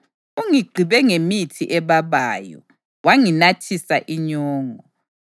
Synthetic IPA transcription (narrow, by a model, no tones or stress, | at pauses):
uŋiɡ͡ǃʱiβɛŋemitʰiʔɛβaβaːjɔ̰ | waŋinatʰisaʔiɲɔːŋɔ